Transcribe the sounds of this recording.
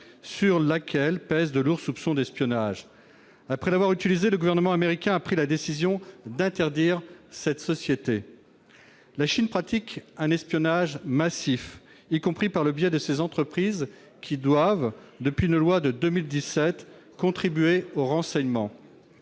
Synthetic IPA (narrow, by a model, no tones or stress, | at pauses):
syʁlakʰʲɛlpɛzd̪əluʁsupsɔ̃d̪ɛspjɔnaʒ | apχɛlavwaʁyt̪ilizeləɡuvɛʁnəmɑ̃ameʁikʲɛ̃apχilad̪esizjɔ̃d̪ɛ̃t̪ɛʁd̪iʁsɛt̪sɔsjet̪e | laʃinpχat̪ikɛ̃nɛspjɔnaʒmasif | ikɔ̃pχipaʁləbjɛd̪əsezɑ̃t̪χəpχiz | kʲʰid̪wavd̪əpɥiynlwad̪əd̪əmild̪isɛt̪kɔ̃t̪χibyeoʁɑ̃sɛɲmɑ̃